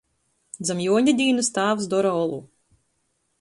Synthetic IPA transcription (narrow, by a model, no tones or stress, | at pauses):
d̪zamjuɔɲʲad̪ʲiːnust̪aːvs̬d̪ɔɾaɔlˠṵ